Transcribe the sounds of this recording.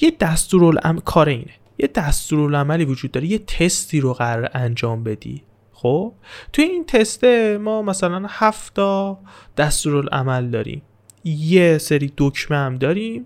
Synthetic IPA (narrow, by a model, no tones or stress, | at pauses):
jed̪̥æst̪uːɾolæ̰mkʰɒːɾeḭːne | jed̪æst̪uːɾolæmæliːvod͡ʒud̪ːɒːɾeje̞t̪ʰe̞st̪ʰiːɾoɣæɾɒːɾeʔænd͡ʒɒːmbe̞d̪ḭː | xoːb̥̚t̪ʰujeint̪ʰest̪emɒːmæsælænhæft̪ʰɒː | d̪̥æst̪uːɾolʔæ̰mæld̪ɒːɾḭːm | jeseɾiːd̪̥ocʰmeæmd̪ɒːɾim